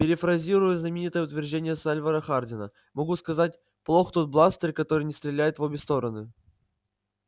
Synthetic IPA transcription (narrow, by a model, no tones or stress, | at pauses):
pʲɪɾʲɪfɾɐzʲiɾʊjʊznəmʲɪnʲit̪əjəʊt̪vʲɪrʐdʲenʲɪjəsalʲvəɾəxardʲɪnə̰ | mɐɡuskɐzat̚ʲ | plˠo̞xt̪o̞t̪̚blˠast̪ərʲkɐt̪o̞ɾɨjnʲɪst̪ɾʲɪlʲæjɪt̪vobʲɪst̪o̞ɾənɨ